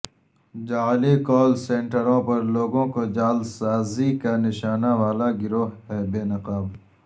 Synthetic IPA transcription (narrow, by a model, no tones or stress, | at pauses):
d͡ʒaːlikɔːlsẽːɳʈəɾõpɐɾloːɡõkod͡ʒaːlsaːzikanɪʃaːnaʋaːlaɡɪɾoːɦɦɛːbeːnɐqaːb